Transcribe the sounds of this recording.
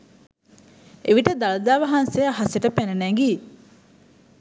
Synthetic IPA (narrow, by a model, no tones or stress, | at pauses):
eʋiʈəd̪alɐd̪aːʋɐɦanseaɦaseʈəpænɐnæŋɡi